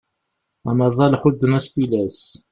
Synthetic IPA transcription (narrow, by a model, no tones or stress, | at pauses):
æmɑðˤɑlħud̪ːənæst̪ilæs